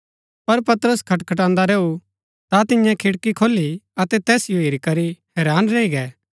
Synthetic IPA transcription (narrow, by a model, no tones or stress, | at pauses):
pɐɾpɐt̪əɾəskʰɐʈkʰɐʈ̬ãːnd̪aɾeːu | t̪at̪ɪjãkʰɪɽkikʰoːlːiɐt̪ɛt̪ɛːsɪjoiːɾikɐɾihɛːɾaːnɾeːiɡɛː